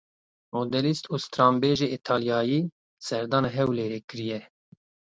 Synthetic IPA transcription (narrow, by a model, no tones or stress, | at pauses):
mod̪ɛlist̪uːst̪ɾɑːmbeːʒeːit̪ʰɑːljɑːjiː | sɛɾd̪ɑːneɦɛwleːɾekɨɾijɛ